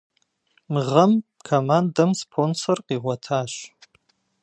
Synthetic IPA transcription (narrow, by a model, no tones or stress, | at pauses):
mʁəm | kʰomandɐmspʰonsorqʼiʁʷatʰaːʃ